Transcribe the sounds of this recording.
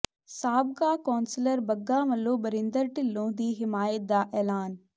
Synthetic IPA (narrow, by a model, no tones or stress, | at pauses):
saːb̚kaːkɔːnsɪləɾbɐɡːaːmɐlːoːbɐɾɪ̃nd̪əɾʈɪlːõːd̪iːɦɪmaːjət̪̚d̪aːʔɛːlaːn